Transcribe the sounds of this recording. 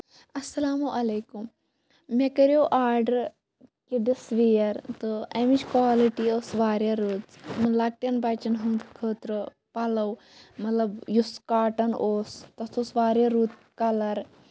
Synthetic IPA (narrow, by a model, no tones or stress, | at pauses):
ɐsɐlaːmuʔɐleːkum | mekɐɾjoʔaːɾɖɐɾ | kiɖisʋijɐɾt̪ɨɐmit͡ʃkwaːliʈioːsʋaːɾjɐɾuːt̪mɐlak̚ʈjɐnbɐt͡ʃɐnɦũnd̪kʰəːt̪ɾɨ | pɐlɐw | mɐt̪lɐbjuskaːʈɐnʔoːst̪ɐsoːsʋaːɾjɐɾuːt̪̚kɐlɐɾ